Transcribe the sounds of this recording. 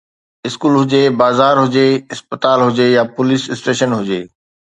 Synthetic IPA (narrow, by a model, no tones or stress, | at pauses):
ɪskuːlɦʊd͡ʑebaːzaːɾɦʊd͡ʑeɪspət̪aːlɦʊd͡ʑejapʊlisɪsʈeːʃənɦʊd͡ʑeː